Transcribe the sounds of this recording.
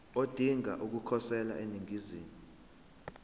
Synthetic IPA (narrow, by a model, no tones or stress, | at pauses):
od̥ʱiŋa̰ʔuk̬ukʰɔsɛla̰ʔeniŋiziːni